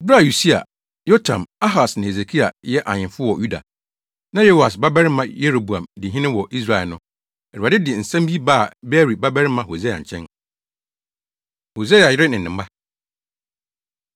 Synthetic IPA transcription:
bɪ˦ɾa˦˨ju˨si˦a̰˨ | jo˦tʰã̰˨ma˦ɦa˨snɪ̃˨he˨s̬e˨kʰi˦a̰˨jɛ˦ʔa˨ɲɪ̃˨mfʊ˦wɔ˨ju˦da̰˨ | nã˦je˦ho˨a˨s̬ba˦bɛ˦ɾɪ˦mã˦je˦ɾo˨bu˨ã˨mdɪ˨ɦɪ̃˦nɪ̃˦wɔ˨ʔi˦s̬ɾa˨ɛ˨lnʊ̃˦ | ɛ˨dʊ˨a˨ɪ˦dɪ˨n̩˨sã˦mbi˦baː˦˨be˦ɾi˨ba˦bɛ˦ɾɪ˦mã˦ho˨ze˦a̰˨t͡ɕʰɛ̰̃˦n | ho˨ze˦a˨jɪ˦ɾɪ˦nɪ̃˨nːɪ̃˨m˦ba˦

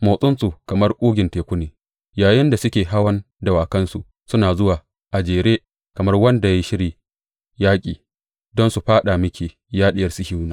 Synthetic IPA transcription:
moː˨sʼʊ˦nsu˨kɐ˨mɐ˦rkʷʼuː˦ɡʲɪ˨nteː˨kʷʊ˦neː˨ | jaː˨jɪ˦nda˨sʊ˦kʲeː˨ɦa˦wɐ˦n | da˨waː˨kɐ˦nsu˨ʔ | sʊ˦naː˨zʊ˦waː˨ | ʔa˨d͡ʒeː˨ɾeː˦ | kɐ˨mɐ˦rwɐ˦nda˨ji˦ʃɪ˦ɾiː˨ | jaː˦kʲʼiː˨ | dɔ˦nsu˨ɸaː˦ɗa˨mɪ˦kʲiː˨ | jaː˦ɗɪ˦jɐ˨rsi˦hi˦wnaː˨

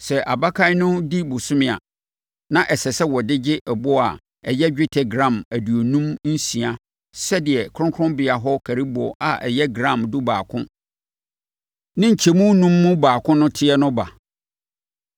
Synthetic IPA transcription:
sɛ˨ʔa˨ba˦kʰa˦nʊ̃˦di˦bʊ˨sʊ˦mɪ̃˨a̰˨ | nã˦ʔɛ˨sɛ˨sɛ˦wɔ˨dɪ˦d͡ʑɪ˦ʔɛ˨bɔ˦a̰˨ | ɛ˨jɛ˦d͡ʑᶣɪ˦tʰɛ˨ɡɾã˦˨mæ˨du˨o˨nũ˦mn̩˦sĩ˨a˦ | sɛ˦dɪ˨ɛ˨kʰʊ̃˦ŋkʰʊ̃˦mbɪ˨a˨ɦɔ˦kʰæ˨ɾi˦bɔ˨ʔa˨ʔɛ̰˨jɛ˦ɡɾã˦˨mdʊ˦baː˨kʰʊ̃˦ | nɪ̃˦ɲ̩˨t͡ɕʰɛ˨mũ˦nũ˦mːʊ̃˦baː˨kʰʊ̃˦nʊ̃˦tʰɪ˦ɛ˦nʊ̃˦ba˨

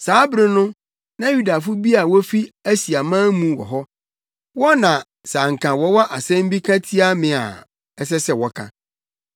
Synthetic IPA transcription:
saː˨˦bɾɪ̃˦nʊ̃˦ | nã˦ju˦da˨fʊ˦bi˦a˨wɔ˦fi˦æ˦si˨a˨mã˦mũ˦wɔ̰˨ɦɔ˦ | wɔ˦nã˨ | sa˨ŋ̩˨kʰã˨wɔ˦wɔ˦ʔa˨sɛ̃˦m˦bi˦kʰã˦tʰi˦a˦mɪ̃˨a̰˨ | ɛ˦s̬ɛ˦sɛ˨wɔ˦kʰã̰˦

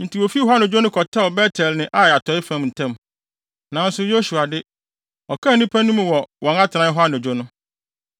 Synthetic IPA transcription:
n̩˨tʰi˨wo˨fi˦ɔ˨˦a˦n˨o˨d͡ʑᶣo˦nʊ̃˦kʰɔ˨tʰa˦ɔ˨bɛ˦tʰɛ˨lnɪ̃˦ʔa˦˨a˨tʰɔ˨˦ɪ˦fã˦˨mn̩˨tʰɛ̃˦˨m | nã˨˦n̩˦sʊ˨˦jo˦ɕu˨a˨dɪ˦ | ɔ˨kʰa˦˨nĩ˦pʰæ˦nũ˦m˦wɔ˨wɔ̃˨na˦tʰɪ˨nã˦ɦɔ˦a˦no˨d͡ʑᶣo˦nʊ̃˦

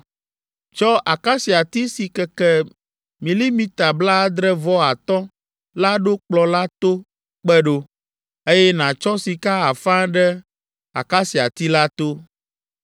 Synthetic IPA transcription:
t͡ʃɔ˦ʔa˨ka˦si˨a˨t̪i˦si˨kɛ˨kɛ˦ | mĩ˨li˦mĩ˦t̪a˨bla˦d̪ɾɛ˦vɔ˦a˨t̪ɔ̃˦ | la˦ɖo˦k͡plɔ˨la˦t̪o˦ | k͡pɛ˦ɖo˦ | e˦jɛ˦nã˨t͡ʃɔ˦si˨ka˦a˨fã˦ɖɛ˦ | a̰˨ka˦si˨a̰˨t̪i˦la˦t̪o˦

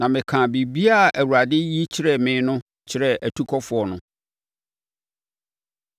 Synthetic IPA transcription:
nã˨mɪ̃˨kʰã˨bi˨bi˦a˦˨æ˨wu˨ɾa˨dɪ˦ji˦t͡ɕʰɪ˦ɾɛ˨mɪ̃ː˨˦nʊ̃˦ | t͡ɕʰɪ˦ɾɛ˨æ˨tʰu˦kʰɔ˦fʊ˨ɔ˨nʊ̃˦

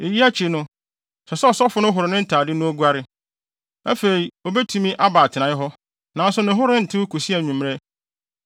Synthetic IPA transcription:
e˨ji˦a˦t͡ɕʰɪ˨nʊ̃˦ | sɛ˨sɛ˦ɔ˨sɔ˦fʊ˦nʊ̃˦ɦʊ˨ɾɪ˨nɪ̃˦n̩˦tʰaː˨dɪ˦nʊ̃˦o˦ɡu˦a˦ɾɪ˦ | a˦fe˨ɾi˨o˨bɛ˦tʰu˦mĩ˦ʔa˦baː˨tʰɪ˨nã˨ɪ˦ɦɔ˦ | nã˨˦n˦sʊ˦nɪ̃˨ɦʊ˦ɾɪ̃˦n̩˨tʰɪ̃˦kʰu˨si˦ɛ˨ɲũ˨m˦ɾɛ˦

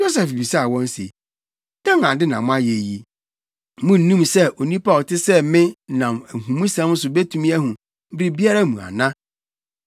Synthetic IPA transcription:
jo˦s̬ɛ˨fbi˨sa˦˨wɔ̃˦n˦sḛ˨ | d̥ã˦ŋã˨dɪ˦nã˨mʊ̃˦a˦je˨ji˨ | mʊ̃˦n̩˦nĩ˦msɛ˦ʔo˨nĩ˦pa˦˨tʰɪ˦sɛ˦mɪ̃˦nã˨mæ˨ɦũ˨mũ˦sɛ̃˦m˦sʊ˨be˦tʰũ˦mĩ˦æ˦ɦũ˨ | m̩˦bɾi˦bi˦a˦ɾa˦mũ˨a̰˨nã˦

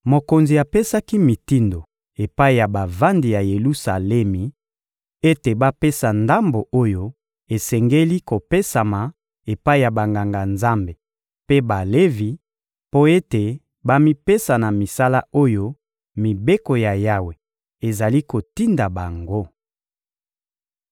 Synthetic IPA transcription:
mo˨ko˨nzi˨a˨pe˦sa˦ki˦mi˨ti˦ndo˨ | e˨pa˦i˨ja˨ba˨va˦ndi˨ja˨je˨lu˦sa˨lɛ˦mi˨ | e˦te˨ba˦pe˦sa˨nda˦mbo˨o˦jo˦ | e˨sɛ˨ŋɡe˦li˦ko˨pe˦sa˨ma˨ | e˨pa˦i˦˨ja˨ba˨ŋɡa˨ŋɡa˨nza˦mbe˨ | pe˦ba˨le˦vi˨ | po˦e˦te˨ | ba˦mi˦pe˦sa˨na˨mi˨sa˦la˦o˦jo˦ | mi˨be˦ko˨ja˨ja˦we˨ | e˨za˨li˦ko˨ti˦nda˨ba˨ŋɡo˦

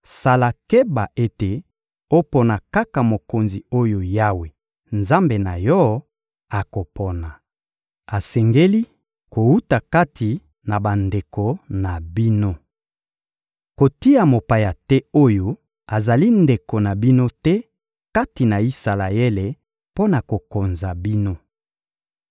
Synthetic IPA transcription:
sa˨la˨ke˦ba˨ʔe˦te˨ | o˦pɔ˨na˨ka˦ka˨mo˨ko˨nzi˨o˦jo˨ja˦we˨ | nza˦mbe˨na˨jɔ˦ | a˨ko˨pʰɔ˨na˨ | a˨sɛ˨ŋɡe˦li˦ | ko˨u˦ta˨ka˦tʰi˨ | na˨ba˨nde˨ko˨na˨bi˦no˦ | ko˨ti˦a˨mo˨pa˨ja˨tɛ˦o˦jo˦ | a˨za˨li˦nde˨ko˨na˨bi˦no˦tɛ˦ | ka˦ti˨na˨i˦sa˨la˨je˦le˨ | po˦na˨ko˨ko˨nza˨bi˦no˦

